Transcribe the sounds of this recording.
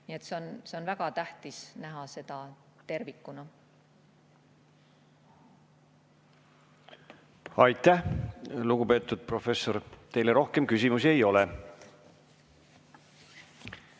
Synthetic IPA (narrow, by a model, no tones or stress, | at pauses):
niet̪seonse̞o̞nvæɡ̥ɑt̪æht̪isnæɦɑse̞d̪̥ɑ | t̪e̞rvikːˑunɑ | ɑjt̪ːˑæhluɡ̥upe̞ːt̪ːˑud̪̥̚pro̞fe̞sːo̞ɾt̪e̞jleɾo̞hke̞mkysʲimusiejo̞le